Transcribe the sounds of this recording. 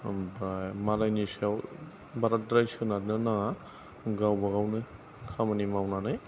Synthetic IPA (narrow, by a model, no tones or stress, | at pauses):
bamalajnisaw | baɾat̚dɾajsɯnadnɯna | ɡawbaɡawnɯ | kʰamanimawnanaj